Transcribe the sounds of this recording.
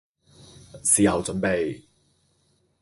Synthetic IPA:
siː˨hɐ˨wt͡sɵ˨˥npe˨˧j

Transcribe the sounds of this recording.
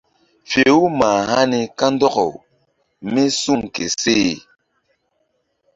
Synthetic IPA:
fe˨u˦maː˨ha˦ni˨ka˦n˦dɔ˦kɔ̰˨w | mi˦su˦ŋke˨seː˦˨

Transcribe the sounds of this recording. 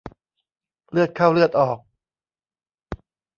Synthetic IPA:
lɯ˥˩ət̪̚kʰa˥˩wlɯ˥˩ət̪̚ʔɔː˨˩k̚

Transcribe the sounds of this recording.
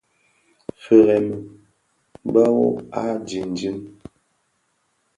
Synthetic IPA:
fə˨ɣɛ˨m˨ | ba˦wo̰˦a˦d͡ʒi˨n˨d͡ʒi˦m

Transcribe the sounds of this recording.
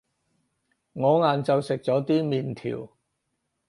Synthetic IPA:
ŋɔː˨˧ŋaː˨nt͡sɐ˨wsɪ˨k̚t͡sɔː˨˥t̪iː˥miː˨nt̪ʰḭː˨˩w

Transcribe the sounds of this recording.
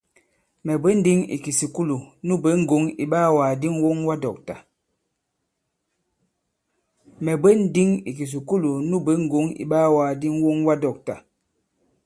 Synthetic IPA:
mɛ˨bə˦n̩˦di˦ŋḭ˨ki˨si˨ku˦lu˨nu˦bə˨˦ŋ̩˨ɡo˨˦ŋḭ˨ɓaː˦waː˨di˦ŋwo˦ŋwa˦dɔ˨k̚ta˨ | mɛ˨bə˦n̩˦di˦ŋi˨ki˨s̬i˨ku˦lu˨nu˦bə˦ŋ̩˦˨ɡo˨˦ŋḭ˨ɓaː˦waː˨di˦ŋ˦wo˦ŋwa˦dɔ˨k̚ta̰˨

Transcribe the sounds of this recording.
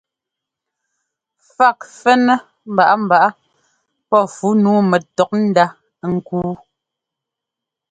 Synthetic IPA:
fa˦˨k̚fɛ˦nɛ˦ | m̩˨ba˨ʔa˦m̩˨ba˨ʔa˦ | pɔ˦˨fu˨˦nuː˨˦mɛ˨tɔ˨k̚n̩˦da˦ | ŋ̩˦˨kuː˦

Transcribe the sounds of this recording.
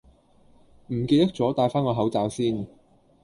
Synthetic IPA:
m̩˨˩kiː˧t̚t̪ɐ˥k̚t͡sɔː˨˥t̪aː˧jfaː˥nŋɔː˧ɦɐ˨˥wt͡saː˨˧wsiː˥n

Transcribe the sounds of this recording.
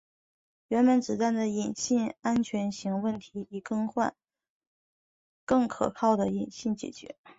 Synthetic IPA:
ɥɛ˧˥npə˧˥nʈ͡ʂɻ̩˨˩t̪a˥˩nd̪ə˩i˨˩nɕi˥˩ŋa˥nt͡ɕʰɥɛ˧˥nɕi˧˥ŋwə˥˩nt̪ʰi˧˥i˨˩kɤ˥ŋxwa̰˥˧n | kɤ˥˩ŋkʰɤ̰˨˩kʰɑ˥˩ʊd̪ə˩i˨˩nɕi˥˩nt͡ɕjɛ̰˨˩t͡ɕɥɛ̰˧˥

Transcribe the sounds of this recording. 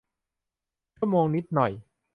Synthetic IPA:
t͡ɕʰu˥˩əmoː˧ŋni˦˥t̪̚nɔ˨˩j

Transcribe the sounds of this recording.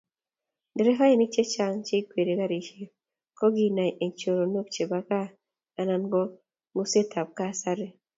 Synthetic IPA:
dɪ˨ɾe˦ɦa˦e˦ni˦t͡ʃe˦t͡ʃa˦ŋt͡ʃe˦i˦kwe˨ɾe˨ka˦ɾi˨ʃe˦ | kɔ˦ɡi˦na˨i˨ʔe˨ɲt͡ʃo˨ɾo˨no˦k̚t͡ʃe˨ba˨kaː˦˨ | na˨nɡɔ˦ | ŋu˦se˦tʰa˨p̚ka˦sa˦ɾe˦

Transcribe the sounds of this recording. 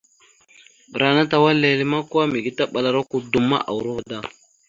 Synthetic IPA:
ɓə˨ɾa˨na˦ta˨wa˦le˨li˦ma˦ka˦mi˨ɡi˦ta˦ɓa˨la˨ɾa˦ku˦du˦mːa̰˦ʔa̰˨wu˨ɾu˦ɣda˦

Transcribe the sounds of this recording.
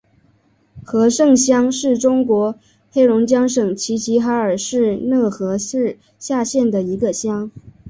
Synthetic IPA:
xɤ˧˥ʂɤ˥˩ŋɕjɑ˥ŋʂɻ̩˥˩ʈ͡ʂʊ˥ŋkwɔ˧˥ | xe˥ɪɻʊ˧˥ŋt͡ɕjɑ˥ŋʂɤ˨˩ŋt͡ɕʰi˧˥t͡ɕʰi˧˥xa˧˥ə˞˨˩ʂɻ̩˥˧nɤ˥˩xɤ˧˥ʂɻ̩˥˧ | ɕja˥˧ɕjɛ˥˩nd̪ə˩i˧˥ɡə˧ɕjɑ˥ŋ

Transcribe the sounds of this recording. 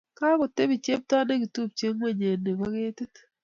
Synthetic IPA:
ka˦kɔ˨te˦bi˨t͡ʃe˦p̚ta˦ne˦ɡi˨tu˦˨p̚t͡ʃe˦ŋwe˦ɲe˨nːe˨ba˦ɡe˦tɪ˦t

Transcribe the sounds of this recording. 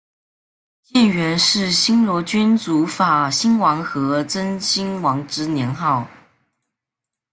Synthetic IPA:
t͡ɕjɛ˥˩nɥɛ˧˥nʂɻ̩˥˩ɕi˥nlwɔ˧˥t͡ɕy˥nt͡su˧˥fa˨˩ɕi˥nwɑ˧˥ŋxɤ˧˥t͡sə˥nɕi˥nwɑ˧˥ŋʈ͡ʂɻ̩˥njɛ˧˥nxɑ˥˩ʊ

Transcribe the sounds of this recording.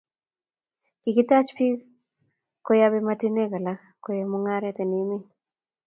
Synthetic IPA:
ki˨kɪ˦t̪a˦t͡ʃpi˦ | ko˦jabɛmati˦ne˦ka˨la | kojɔmoŋa˦ɾɛt̪ɛ˨ni˦mi˦

